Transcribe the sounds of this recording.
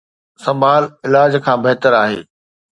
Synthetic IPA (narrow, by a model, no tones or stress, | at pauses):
sɐ̃mbʱaːlɪlaːd͡ʑkʰãːbɐɦt̪əɾaːɦḛː